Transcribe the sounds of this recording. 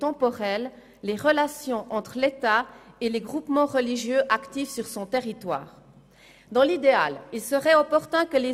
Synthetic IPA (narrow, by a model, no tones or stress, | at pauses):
t̪ɑ̃pɔʁɛlː | eʁəlasjɔ̃ʔɑ̃t̪χlet̪aeleɡʁupmɑ̃ʁəliʒjøʔakt̪ifsyʁsɔ̃t̪eʁit̪wa̰ːʁ | d̪ɑ̃lid̪ea̰lilsəʁɛɔpɔʁt̪ɛ̃kəle